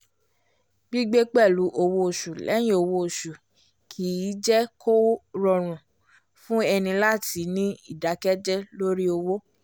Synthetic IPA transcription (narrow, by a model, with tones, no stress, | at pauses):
ɡ͡bi˦ɡ͡be˦k͡pɛ˦˨lu˨˦ʔo˧wo˦˨ʃu˨lɛ̰˨˦j̃ĩ˦o˧wo˦o˨ʃu˨ | kʰi˨˦˨d͡ʒɛ˦ko˦ɾɔ˧ɾ̃ũ˨ | fũ˦ɛ˧nĩ˧la˦˨ti˨˦nĩ˦i˦˨da˨˦kɛ˦d͡ʒɛ˦lo˦ɾi˦o˧wo˦